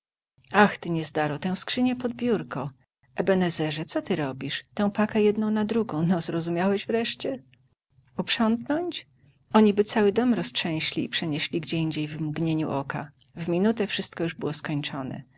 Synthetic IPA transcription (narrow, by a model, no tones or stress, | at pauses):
axt̪ɘɲɛzd̪aɾɔt̪ɛ̃w̃skʂɘɲɛpɔd̪̚bʲjuɾkɔ | ɛbɛnɛzɛʐɛt̪sɔt̪ɘɾɔbʲiʂt̪ɛ̃w̃pakɛjɛd̪nɔ̃w̃nad̪ɾuɡɔ̃w̃nɔzɾɔzumʲjawɛʑvɾɛʂt͡ɕɛ | upʂɔnt̪nɔɲt͡ɕ | ɔɲibɘt̪sawɘd̪ɔmɾɔstʂɛ̃w̃ɕlʲḭːpʂɛɲeɕlʲiɡd͡ʑeiɲd͡ʑejvmɡɲeɲṵʔɔka̰ | vmʲinut̪ɛfʂɘst̪̚kɔjuʐbɘwɔskɔɲt͡ʂɔnɛ̰